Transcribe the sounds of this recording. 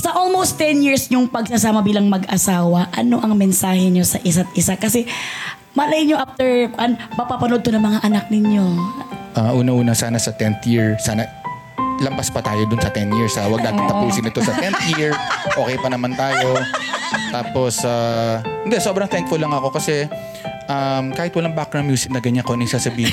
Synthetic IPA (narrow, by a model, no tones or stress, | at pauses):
sɐʔolmowst̪ːɛnjiɹsɲʊŋpɐɡ̚sɐsaːmɐbiːlɐŋmɐɡʔɐsaːwɐʔɐno̞ʔɐŋmɛnsaːhɛɲo̞sɐʔɪsat̪̚ʔɪsakɐsɛ | mɐlɐjɲoʔaft̪ɛɹkʊʔanpɐpapɐnod̪̚t̪onɐŋmɐŋaʔɐnak̚nɪɲjo̞ʔaʔuːnɐʔuːnɐsaːnɐsɐt̪ɛnθjiɹsaːnɐ | lɐmpaspɐt̪aːjod̪ʊnsɐt̪ɛnjiɹsɐwɐɡ̚naːt̪ɪŋt̪ɐpuːsɪnɪt̪o̞sɐt̪ɛnθjiɹʔoːkɛjpɐnɐmant̪aːjo̞ | t̪aːpo̞sahɪnd̪ɛso̞ːbɾɐŋt̪ɛŋk̚fʊlːɐŋɐko̞kɐsɛ | ʔɐmkaːhɪt̪̚wɐlaŋbakɾɐŋmjuːsɪk̚nɐɡɐɲakonɐŋsaːsɐbiːhɪ